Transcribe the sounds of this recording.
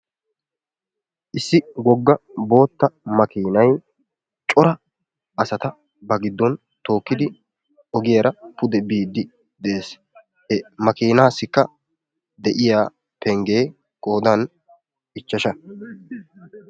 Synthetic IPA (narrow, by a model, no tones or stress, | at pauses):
ʔɪsːɪɡɔɡːɐbo̞ːt̪ːɐmɐkiːnɐj | t͡ʃʼɔɾɐ | ʔɐsɐt̪ɐ | bɐɡɪd̪ːɔn | t̪o̞ːkːɪd̪ɪ | ɔɡɪjɐɾɐpʊd̪ɛbiːd̪ːɪ | d̪ɛeːs | hɛmɐkiːnaːsːɪkːɐ | d̪ɛʔɪjaː | pɛŋɡe̞ː | kʼo̞ːd̪ɐn | ɪt͡ʃːɐʃɐ